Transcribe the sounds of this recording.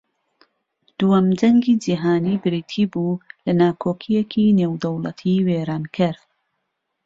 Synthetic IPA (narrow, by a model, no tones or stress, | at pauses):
d̪̥uwɐmd͡ʒɐŋɡiːd͡ʒiɦaːniːbɨɾiːt̪ʰiːbulɐnaːkʰoːkʰijekʰineːwd̪ɐwlˠɐ̰t̪ʰiweːɾaːnkʰɨɾ